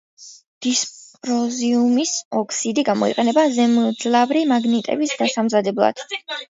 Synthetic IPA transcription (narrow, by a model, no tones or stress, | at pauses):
d̪̥isppʼɾɔziumisɔkʰsid̪iɡamɔ̰ḭqʼɛnɛbazɛmd̪zlˠavɾimaɡnit̪ʼɛ̰bisd̪asamzad̪ɛblˠa̰d̪̥